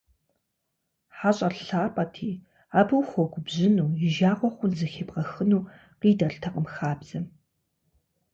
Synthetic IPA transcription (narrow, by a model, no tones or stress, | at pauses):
ħaɕʼɐrɬaːpʼɐtʰiː | aːbɨwxʷɔɡʷʼʊbʑɪnuːɪʒaːqʷɔχʷʊnzɨxeːbqɐxɨnuː | qiːdɐɬtʰɐqʼəmxaːbzɐ